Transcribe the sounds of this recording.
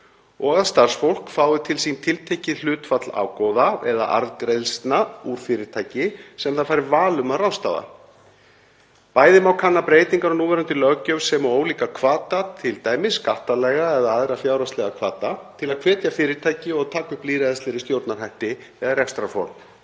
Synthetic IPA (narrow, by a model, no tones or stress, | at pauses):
ɔːɣaðst̪ar̥sfowl̥kfaːwðʏt̪ʰɪlsint̪ʰɪlt̪ʰeːjcɪl̥ʏːt̪fat̪la̰ːwkɔwðaɛ̰ða̰ʔa̰ɾðkɾejlst̪nauɾ̥fɪɾɪɾt̪ʰaːjcɪsɛmθaðfaːjɾɪvaːlʏmaðrawst̪a̰ːða̰ | paːjðɪmawkʰanːapɾeːjt̪iŋkaɾɔnuːvɛɾant̪ɪlœɣcœvsɛmɔoːwliːkakʰvaːt̪at̪ʰɪlt̪aːjmɪskaht̪alɛɣaɛðaaðɾafjaːwɾast̪lɛɣakʰvaːt̪at̪ʰɪlaðkʰv̥ɛːt̪jafɪːɾɪ̥t̪ʰaːjcɪɔɣt̪ʰaːkʏpliːɾaðɛst̪ɪɾɪst̪jowɾt̪narhajht̪ɪ | ɛðarɛkst̪ɾafɔ̰ɾm